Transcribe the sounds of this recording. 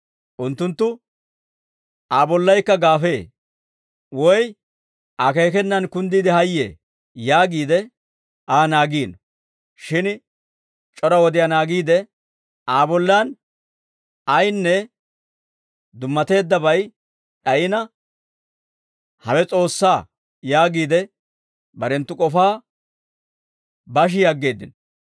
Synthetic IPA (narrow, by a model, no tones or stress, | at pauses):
ʔʊnt̪ːʊnt̪ːʊ | ʔaːbɔlːɐjkːɐɡaːfe̞ː | wɔj | ʔake̞ːkɛnːɐnkʊnd̪iːd̪ɪhɐjːḛː | jaːɡiːd̪ɛ | ʔaːnaːɡiːn | ʃɪn | t͡ʃʼɔɾɐwɔd̪ɪjɐnaːɡiːd̪ɛ | aːbɔlːan | ɐjnːɛ | d̪ʊmːɐt̪e̞ːd̪ːɐbɐj | ɗɐʔɪnɐ | hɐwɛt͡sʼo̞ːsːaː | jaːɡiːd̪ɛ | bɐɾɛnt̪ːʊkʼɔfaː | bɐʃ̬ɪjɐɡːe̞ːd̪ːɪnɔ